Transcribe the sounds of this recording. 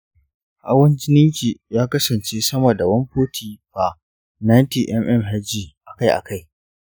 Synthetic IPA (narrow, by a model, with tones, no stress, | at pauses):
ʔa˦wɐ˦nd͡ʒɪ˦nɪ˦ŋkʲiː˨jaː˦kɐ˦sɐ˨nt͡ʃeː˦sɐ˦ma˨da˨wɐ˦mɸoː˦tʰiː˨ɸa˨ | na˦nti˨ʔɛ˦mʔɛ˦mɦa˦d͡ʒiː˨ʔa˨ka˦jʔa̰˨ka˦j